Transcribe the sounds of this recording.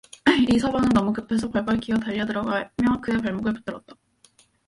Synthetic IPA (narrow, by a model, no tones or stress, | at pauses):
isʰʌbaŋɯnnʌmukɯpʰe̞s̬ʰʌpaɭp͈aɭk͈ʰiʌtaʎːʌdɯɾʌɡaɦamjʌkɯe̞paɭmuɡɯɭpɯ̥t͈ɯɾʌt̚t͈ḁ